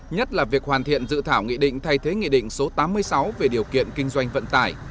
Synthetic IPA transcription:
ɲə˦˥t̚laː˨˩vi˨˩ək̚hwaː˨˩nt̪ʰḭ˧˨ənzɨ̰˧˨t̪ʰaː˧˩wŋḭ˧˨ɗḭ̈˧˨ŋ̟t̪ʰa˧jt̪ʰe˨˦ŋḭ˧˨ɗḭ̈˧˨ŋ̟so˨˦t̪aː˨˦mːɨ˧əjsa˨˦wve˨˩ɗi˨˩əwkḭ˧˨ənkï˧ŋ̟zwa˧jŋ̟və̰˧˨nt̪aː˧˩j

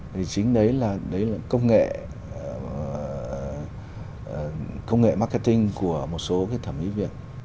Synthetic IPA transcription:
t̪ʰi˨˩t͡ɕï˨˦ŋ̟ɗə˨˦jlaː˨˩ɗə˨˦jlaː˨˩kə˧wŋ͡mŋḛ˧˨˩ | kə˧wŋ͡mŋḛ˧˨ma˧˥kːa˧t̪ï˧ŋ̟ku˧˩əmo˨˩t̚so˨˦kaː˨˦jt̪ʰə˧˩mʔḭ˧˥vḭ˧˩˨ən̚

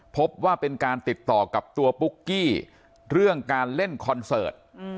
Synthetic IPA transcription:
pʰo˦˥p̚waː˥˩pe˧nkaː˧nt̪i˨˩t̪ːɔː˨˩ka˨˩p̚t̪u˧ɐpu˦˥kːiː˥˩ | ɾɯ˥˩əŋkaː˧nle˥˩nkʰɔ˧nsɤ̰ː˨˩t̪̚

